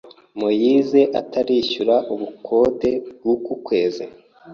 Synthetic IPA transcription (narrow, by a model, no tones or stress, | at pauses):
mojize̞ʔa̰taɾiʃuɾaʔuβukʰo̞de̞b̚ɡukukwe̞ːzḛ